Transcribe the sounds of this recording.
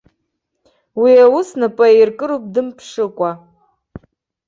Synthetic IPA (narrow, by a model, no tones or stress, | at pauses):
wiawʊsnapʼairkʼɨɾup̚ʼdɨmpʰʂɨkʷʼa